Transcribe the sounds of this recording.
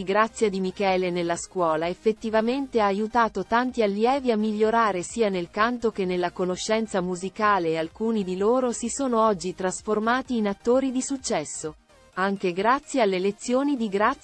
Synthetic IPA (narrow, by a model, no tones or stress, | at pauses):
iɡɾat̪sːjad̪imikɛːlenelːaskwɔːlaefːet̪ːivament̪eaːjut̪aːt̪ot̪ant̪ialːjɛːviamːiʎːoɾaːɾesiːanelkant̪ok̟enːelːakonoʃːɛnt̪samuzikaːlealkuːnid̪iloːɾosisoːnoɔd͡ʒːit̪ɾasformaːt̪iːnat̪ːoːɾid̪isut͡ʃːɛsːo | aŋk̟eɡɾat̪sːjealːelet̪sːjoːnid̪iɡɾa